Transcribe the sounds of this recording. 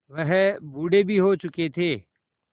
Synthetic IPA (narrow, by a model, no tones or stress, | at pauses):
ʋɐɦbuːɖebʱiɦot͡ʃʊket̪ʰeː